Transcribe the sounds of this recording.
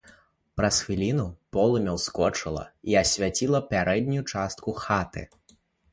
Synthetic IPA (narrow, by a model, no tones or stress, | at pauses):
pɾɐsxvʲilʲinupɔlˠumʲɛwskɔt͡ʂɨlˠɐ̰iɐsʲvʲat͡sʲilˠɐpʲaɾɛd̪̚ʲnʲujut͡ʂast̪̚kuxat̪ɨ̰